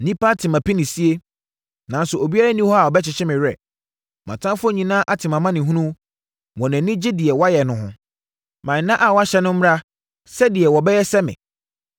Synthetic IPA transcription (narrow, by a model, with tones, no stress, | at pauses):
nĩ˦pʰa˦tʰɪ˨mã˨pi˦nɪ̃˨si˦e˦ | nã˨n˦sʊ˨o˨bi˦a˦ɾa˦nĩ˦hɔ˦a˨wɔ˨bɛ˦t͡ɕɪ˨ɕɪ˦mɪ̃˨ɾɛ̰˨ | mã̰˨tʰã˦fʊ˦ɔ˦ɲĩ˨nãː˦ʔa˨tʰɪ˨mã˨mã˦nɪ̃˨ɦũ˦nũ˦ | wɔ̃˨nã˨nɪ̃˦d͡ʑɪ˦dɪ˨ɛ˨wɔa˦jɛ˨nʊ̃˨hʊ̰̃˨ | mã˨nã˦ʔa˨wɔ˦a˦ɕɛ˦nʊ̃˦m̩˦m˦a˦ | sɛ˦dɪ˨ɛ˨wɔ˨bɛ˦jɛ˦sɛ˦mɪ̰̃˨